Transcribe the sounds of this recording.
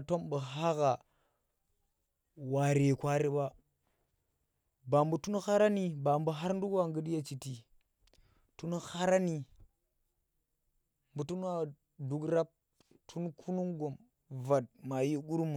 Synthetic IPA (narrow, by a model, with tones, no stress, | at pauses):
to˦mbə˨ɦa˦ɣa˨ | wa˨ɾe˨kʷa˦ɾi˦ba˦ | ba˨mbu˨tu˦n˦xa˦ɾa˦ni˨ba˨mbə˨ɦa˦ɾn˦du˦kwa˨ŋɡə˦dja˨t͡ʃi˨ti˨ | tu˦n˦xa˦ɾa˦ni˨ | mbu˨tu˦n˦wa˦ | du˨ɡɾa˦p̚ | tʰu˦n˦kʰu˦nu˦ŋɡo˨m | va˨t̚ma˨ji˦ɡu˦ɾmu˨